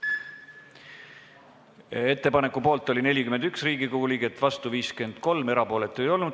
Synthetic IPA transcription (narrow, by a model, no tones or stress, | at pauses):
e̞t̪ːe̞pɑne̞kːˑupo̞ːlt̪ːˑo̞lʲine̞lʲikymend̪̥yksriːɡ̥ikuːlʲiɡet̪ːvɑst̪uviːske̞nd̪̥ko̞lme̞ɾɑpo̞ːle̞t̪ːˑe̞jo̞lnud̪